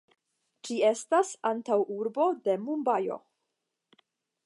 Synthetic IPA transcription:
d͡ʒie̞stasantawuɾbo̞de̞mumbajo̞̰

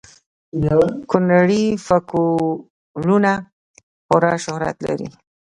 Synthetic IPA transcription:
kʊnaɽifaku | luna | xʊɾaʃʊhɾa̰t̪la̰ɾḭ

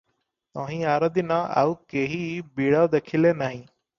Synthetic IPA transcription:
t̪ãːɦĩːaːɾəd̪inãːʔa̰ːuːkeːɦiːbiːɽaːd̪ekʰɪleːnaːɦĩː

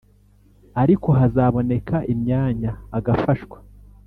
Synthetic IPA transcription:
aɾiko̞ɦazaːβo̞ne̞kʰaʔimɲaːɲaːɡafaʃwḁ

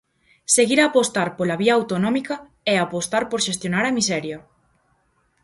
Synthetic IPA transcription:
seɣiɾaːpost̪aɾpolaβiɐːwt̪onɔ̃mikɐ | ɛapost̪aɾpoɾʃest̪jonaɾɐmisɛɾjɐ

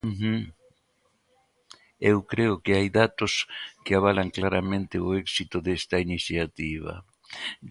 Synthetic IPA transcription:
ewkɾeʊkɪajðat̪ʊskɪaβalaŋklaɾamẽnt̪ɪoɛksit̪ʊðɛst̪ɐiniθjat̪iβ̞ɐ̰

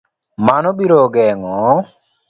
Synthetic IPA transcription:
manɔbiɾɔɡɛŋɔ

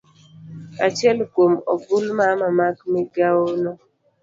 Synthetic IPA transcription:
at͡ʃɛlkwomɔɡʊlmamamakmɛɡawonɔ

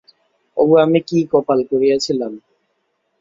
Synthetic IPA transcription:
ɔ̰buamekiːkɔpalkoɾiasilan

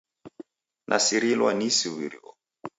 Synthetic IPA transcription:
nʔasiɾilwanisiwiɾiɔ̰

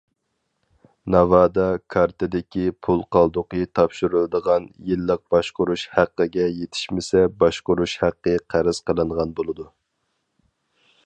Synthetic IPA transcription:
nɑvɑːd̪ɑkʰɑɾt̪ʰɨd̪ɪkʲipʰulˠqʰɑlˠd̪ʊqɨt̪ʰɑpʃuɾɨlˠɨd̪əʁɑnjilːəq̚b̥ɑʃqʊɾuʃhæqːəɡʲɛjet̪ʰɪ̥ʃmɪsɛbɑʃqʊɾuʃhæqːəqʰæɾɪz̥qəlˠɨɴʁɑnbolˠɨd̪u

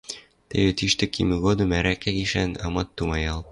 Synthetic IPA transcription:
t̪æ̰jɘ̆t̪iʃt̪ɘ̆kimɘɡod̪ɤ̆mæɾækækiʃænɑ̰mɑt̪ːumɑjɑlˠ

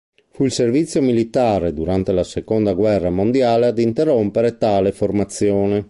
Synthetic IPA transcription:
fuilservit̪sːjomilit̪aːɾed̪uɾant̪elasekond̪aɡwɛrːamond̪jaːlead̪int̪erːompeɾet̪aːleformat̪sːjoːne

